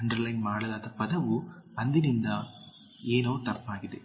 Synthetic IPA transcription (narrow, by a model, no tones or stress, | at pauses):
ɐɳɖɐɾlɐɪnmaːɽɐðaːðɐpɐðɐʋɯɐnd̪ɪnɪnd̪a | eːnoːt̪ɐpːaːɣɪðɯ̰